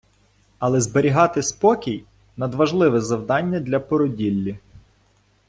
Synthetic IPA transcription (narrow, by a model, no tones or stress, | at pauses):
ɐlˠɛzbeɾʲiɦɑt̪ɪspɔkʲij | nɐd̪ʋɐʒlˠɪʋɛzɐwd̪ɑnʲːɐd̪lʲɐpɔɾɔdʲilʲːi